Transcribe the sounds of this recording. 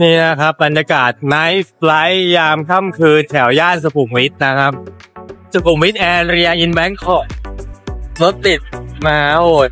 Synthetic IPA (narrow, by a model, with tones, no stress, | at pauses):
niː˥˩na˦˥kʰa˦˥p̚ba˧njaː˧kaː˨˩t̪̚na˦˥jpla˦˥jːaː˧mkʰa˥˩mkʰɯː˧nt̪ʰɛ˩˦wjaː˥˩nsa˧pʰu˨˩˦ŋwi˦˥t̪̚na˦˥kʰa˦˥p̚sa˧pʰu˨˩˦mwi˦˥t̪̚ʔɛː˧ɾi˧a˧ʔi˧nbɛ˦˥nkʰɔ˨˩p̚ | lo˦˥t̪̚li˨˩t̪̚maː˧˦hoː˨˩